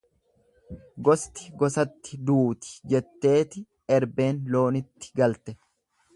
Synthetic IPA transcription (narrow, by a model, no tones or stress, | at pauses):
ɡɔst̪ɪɡɔsɐt̪ːɪ̥d̪uːt̪ɪ̥d͡ʒɛt̪ːe̞ːt̪ɪ | ɛɾbe̞ːnlo̞ːnɪt̪ːɪ̥ɡɐlt̪ɛ